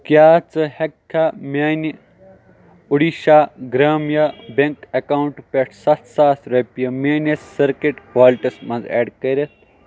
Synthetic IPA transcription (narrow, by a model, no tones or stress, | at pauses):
kjaːt͡sɨhɐkʰːamʲaːni | uɽiʃaːɡɾaːmjabeŋkɐkawuɳʈpʲeʈʰsɐt̪ʰsaːsɾɐpijɐmeːnesːɐɾkeʈkwaːliʈismɐnzḛːɖkɐɾʲɐt̪̚ʰ